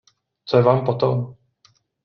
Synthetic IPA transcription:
t͡sojɛvaːmpot̪om

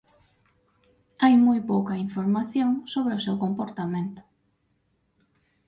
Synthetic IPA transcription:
ajmojpowkɐiɱfoɾmaθjoŋsoβɾeʊsewkompoɾt̪amẽnt̪ʊ̥

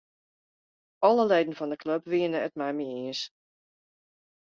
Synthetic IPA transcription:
ɔləleːdən̩fɔndəkʰløpʋiənəətmɛjmiiəs

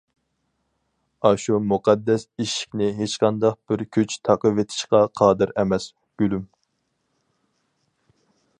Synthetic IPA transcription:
ɑʃumuqʰɑd̪ːɛsiʃi̥kʲnɪɦet͡ʃqɑnd̪ɑq̚b̥ɪɾkʲʰyt͡ʃt̪ʰɑqəvet̪ʰɪ̥ʃqɑqʰɑːd̪ɨɾɛmɛs | ɡ̥ʲylym

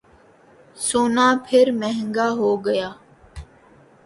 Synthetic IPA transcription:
soːnaːpʰɪɾmɛɦə̃ŋɡaːɦoːɡəjaː

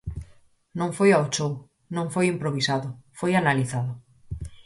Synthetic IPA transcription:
nõŋfojaot͡ʃow | nõŋfojimpɾoβ̞isaðʊfojanaliθaðʊ

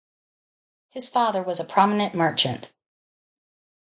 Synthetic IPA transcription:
hɨz̥fɑðə˞wʌzəpʰɹ̥ɑmənɨ̃nmɜ˞t͡ʃɨ̃nt

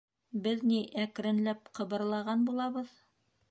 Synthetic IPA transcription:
bɘðniʔækɾɘ̆nlæp̚qɤ̆βɤ̆ɾlˠɑʁɑnbulˠɑβɤð

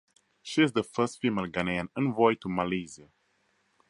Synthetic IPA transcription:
ʃiɪzðəfɜˑstfimelɡaneə̃nə̃nvɔɪtumalizə

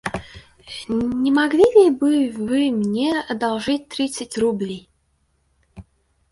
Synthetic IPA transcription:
nʲɪmɐɡlʲilʲɪbɨvɨmnʲeɐd̪ɐlˠʐɨtʲt̪ɾʲit̪sɨtʲrublʲej

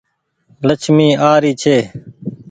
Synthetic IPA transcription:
lət͡ʃʰmiːaːɾiːt͡ʃʰeː

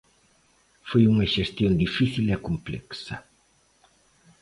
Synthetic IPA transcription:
fujuŋɐʒest̪iond̪ifisilekumplɛ̰ksɐ

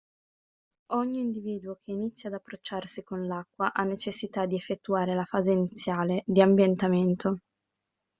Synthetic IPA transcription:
ɔɲːiːnd̪iviːd̪uokʰeinit̪sːjaːd̪apːɾot͡ʃːarsikonlakːwaʔanːet͡ʃesːit̪ad̪iefːet̪ːuaːɾelafaːzeinit̪sːjaːled̪iambjent̪ament̪o

